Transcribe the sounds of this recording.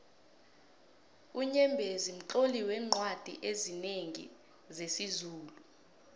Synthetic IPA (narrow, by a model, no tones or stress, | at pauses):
uɲɛmbʱezim̩ǃoliwɛːŋ͡ǃʱwad̥ʱḭʔezineŋḭ | zesizuːlu